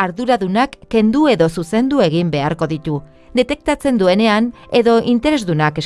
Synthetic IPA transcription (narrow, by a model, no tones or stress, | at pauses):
aɾðuɾaðunakːe̞nd̪ue̞ðo̞suse̞nd̪ue̞ɣ̞imbe̞a̰ɾko̞ðit̪u | d̪e̞t̪e̞k̚t̪at͡se̞nd̪ue̞ne̞ane̞ðo̞ʔint̪e̞ɾe̞zðunake̞s